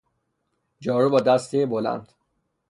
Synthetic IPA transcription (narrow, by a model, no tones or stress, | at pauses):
d͡ʒɒːɾubɒːd̪æst̪ʰebolæ̰nd̪̥